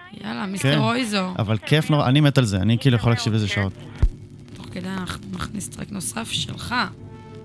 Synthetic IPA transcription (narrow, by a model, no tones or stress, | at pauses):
ja̰lamiskeeʁojzoa̰valkʰefnoʁʔanimet̪alzeanikiːlujeχolaːkʃivezeʃao̞t̪ | t̪oχked̪ejanaχnunaχnistʁḛknosafʃḛlχa